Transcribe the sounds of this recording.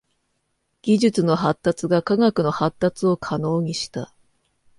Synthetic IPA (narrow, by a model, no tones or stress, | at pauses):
ɡ̥ʲiʑɨt͡sɨno̞ɦat̪ːat͡sɨɡakaɡakɯ̟no̞hat̪ːat͡sɨo̞kʰano̞ːɲ̟iɕi̥t̪a̰